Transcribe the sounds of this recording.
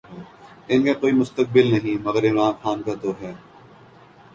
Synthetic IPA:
ɪnkekoːimʊst̪ək̚bɪlnɐɦĩmɐɣəɾɪmɾaːmxaːnkat̪oːɦɛː

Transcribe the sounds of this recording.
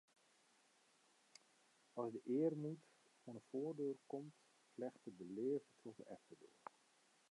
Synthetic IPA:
ɑzdəʔɪːərnit | fɔnəfoːrdøːrkɔmt | flɛχtədəleːvətʰɔtəʔɛftədo̰ːr

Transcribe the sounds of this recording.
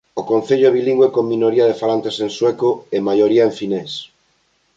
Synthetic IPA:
okon̟θeʎoβilĩŋɡwekomːĩnoɾiaðefalant̪esenswekoemajoɾiaeɱfines

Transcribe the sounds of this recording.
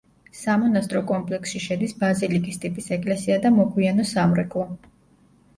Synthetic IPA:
samɔnast̪ʼɾɔkʼɔmpʼlɛksʃiʃɛd̪isbazilikʼist̪ʼipʼisɛkʼlɛsiad̪amɔɡʰwianɔsamɾɛkʼlˠɔ

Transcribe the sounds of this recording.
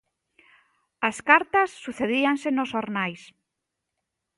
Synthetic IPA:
ɐskaɾt̪ɐsːuθeðiaŋsenosoɾnajs

